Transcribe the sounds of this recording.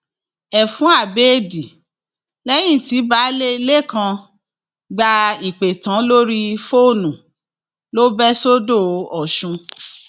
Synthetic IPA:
ɛ˨fũ˨˦a˦˨beː˦˨di˨ | lɛ˦j̃ĩ˦˨ti˨˦ba˨˦le˦i˧le˦˨kã˧ | ɡ͡ba˧i˨k͡pe˨tã˨˦lo˦ɾi˦fo˦˨nũ˨ | lo˦bɛ˦so˦do˦˧ɔ˨ʃũ˧

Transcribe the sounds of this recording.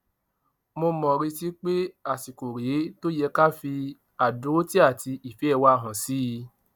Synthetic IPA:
mo˧mɔ̃˨ɾi˧ti˦k͡pe˦a˨si˨ko˨ɾe˨˦to˦jɛ˧ka˦fi˧ | a˨du˨˦o˦ti˦a˦˨ti˧i˨fɛ˨˦ɛ˦˧wa˦˨ɦɔ̃˨si˦˧

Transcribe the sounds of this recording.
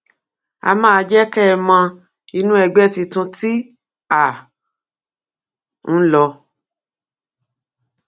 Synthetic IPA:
a̰˧mãː˦˧d͡ʒɛ˦kɛ˦˨mã˧ | i˧nũ˦ɛ˧ɡ͡bɛ˦ti˧tũ˧ti˦ | a˨ | ñ̩˦lɔ˧

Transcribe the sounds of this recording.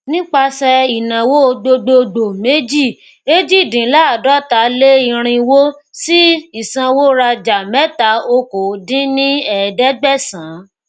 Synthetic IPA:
nĩ˦k͡pa˧sɛ˧i˨nã˨wo˦˧˦do˧ɡ͡bo˧do˨me˦d͡ʒi˦˨ | e˦d͡ʒi˦˨dĩ˨˦la˦a˨dɔ˨˦ta˨˦le˦i˧ɾ̃ĩ˧wo˦si˦i˦˨sã˧wo˦ɾa˧d͡ʒa˨mɛ˦ta˨˦o˧ko˨dĩ˦nĩ˦ɛ˦˨dɛ˦ɡ͡bɛ˦˨sã˨˦

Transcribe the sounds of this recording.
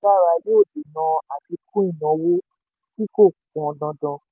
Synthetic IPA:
a˦˨ɾa˧˨le˦o˦˨de˨nã˧a˨ti˧kʰũ˦ĩ˦˨nã˨˧wo˦ | ti˦ko˦˨kɔ̃˨dã˧dã˧

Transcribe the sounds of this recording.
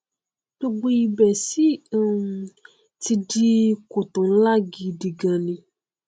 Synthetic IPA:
to˦ɡ͡bu˧ji˨˧bɛ˨si˦˨ | ti˧di˦ko˨t̪ɔ̃˨˦la˦ɡi˧ɖi˨ɡã˨nĩ˧

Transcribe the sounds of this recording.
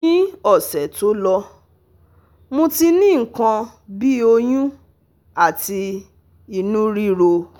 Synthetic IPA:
ĩ˦ɔ˦˨sɛ˨˦to˨˦lɔ˧ | mõ˧ti˧nĩ˦ŋ̩˨kã˧ | bi˦o˧j̃ũ˦ | a˦˨ti˧ | i˧nũ˦ɾi˦ɾo˧

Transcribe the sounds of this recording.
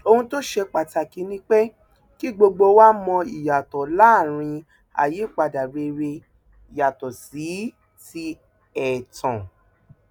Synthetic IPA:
o˧hũ˧to˦ʃe˧k͡pa˨ta˨ki˨˦nĩ˦k͡pe˦ | ki˦ɡ͡bo˧ɡ͡bo˧˦wa˦mɔ̃˧i˨ja˨tɔ˨la˦˨ɾ̃ĩ˧ | a̰˨je˨˦˨k͡pa˧˨da˨be˧ɾe˧ | i˨ja˨tɔ˨si˨˦ | ti˦ | ɛ˨tɔ̃˨

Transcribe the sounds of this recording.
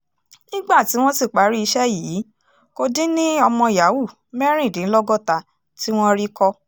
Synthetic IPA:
nĩ˦ɡ͡ba˦˨ti˨˦w̃ɔ̃˦si˦˨k͡pa˨˦ɾi˦i˧ʃɛ˦jiː˨˦ | ko˧dĩ˦nĩ˦ɔ˧mɔ̃˧ja˨˦wu˦˨ | mɛ˦ɾ̃ĩ˦˨dĩ˨˦lɔ˦ɡɔ˦˨ta˧ | ti˦w̃ɔ̃˦ɾi˦kɔ˧

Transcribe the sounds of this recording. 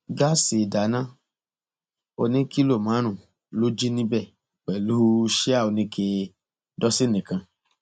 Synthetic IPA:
ɡa˦si˨da˨˦nã˦ | o˧nĩ˦ki˦lo˦˨mã˨˦ɾ̃ũ˦˨ | lo˦d͡ʒi˦nĩ˦bɛ˦˨ | k͡pɛ˨lu˦ʃe˦a˦˨o˨˧nĩ˧˦kʰe˧ | dɔ˦si˦nĩ˨kã˧

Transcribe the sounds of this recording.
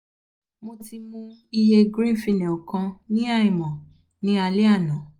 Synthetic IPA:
mo˧ti˧mũ˦i˧je˧ɡɾĩ˦˨fi˧˨nɛ̃˨o˨kã˧nĩ˦a˦˨i˨mɔ̃˨ | nĩ˦a˧li˦a˦˨nã˨

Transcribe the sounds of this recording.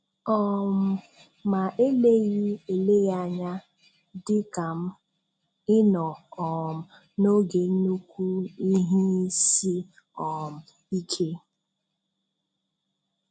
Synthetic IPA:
ɔ˦˨m̩˨˦ | ma˨ʔe˦le˦ɣi˦e˨le˦ɣa˨ɲa˦ | dɪ˦ka˨m̩˦ | ɪ˦nɔ˨ɔ˨m̩˨ | no˦ɡe˨˦nu˦kʷu˦i˦ɦi˦si˦ | ɔ˨m̩˨ | i˦kʰe˦

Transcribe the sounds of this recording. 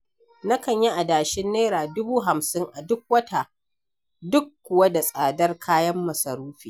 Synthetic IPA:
na˦kɐ˨ɲji˦ʔa˨daː˨ʃɪ˦nːeː˦ɾaː˨dʊ˦buː˦ɦa˨msɪ˦ŋʔa˨dʊ˦k̚wɐ˦ta˨ | dʊ˦kːʷʊ˨wa˦da˨sʼaː˨dɐ˦rkʰaː˦jɐ˦mːɐ˨sɐ˨ɾuː˦ɸiː˨

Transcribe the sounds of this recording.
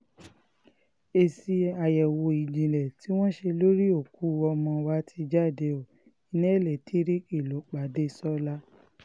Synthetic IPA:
e˨si˧a˨jɛ˨wo˧i˧˨d͡ʒĩ˨lɛ˨ti˨˦w̃ɔ̃˦ʃe˧lo˦ɾi˦o˦˨ku˨˦ɔ˧mɔ̃˧wa˦tʰi˧d͡ʒa˦˨de˧o˨ | i˧nɛ̃˦˨lɛ˨tʰi˨˦ɾi˦ki˦˨lo˨˦k͡pa˨˦de˦sɔ˦la˦

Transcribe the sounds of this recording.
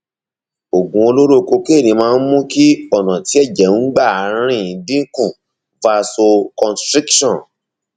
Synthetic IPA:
o˨ɡũ˧o˧lo˦ɾo˦ko˧ke˦˨nĩ˧mãː˦˧n̩˦mũ˦ki˦ɔ˦˨nã˨ti˨˦ɛ˦˨d͡ʒɛ˨ũ˦ɡ͡ba˦˨a˨˦ɾ̃ĩ˦˨dĩ˦kũ˦˨ | va˧so˧kɔ̃˧stɾi˦kʃɔ̃˦˨

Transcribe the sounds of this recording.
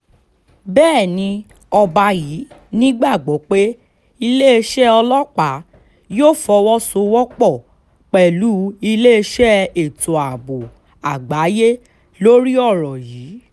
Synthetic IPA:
bɛː˦˨nĩ˧ | ɔ˧ba˧jiː˨˦nĩ˦ɡ͡ba˦˨ɡ͡bɔ˨˦k͡pe˦ | i˧le˦e˧ʃɛ˦ɔ˧lɔ˦k͡pa˨˦ | joː˦˨fɔ˧wɔ˦so˧wɔ˦k͡pɔ˦˨ | k͡pɛ˨lu˨˦i˧le˦e˧ʃɛ˦e˨to˨a˨bo˨ | a˨ɡ͡ba˨˦je˦ | lo˦ɾi˦ɔ˦˨ɾɔ˨jiː˨˦

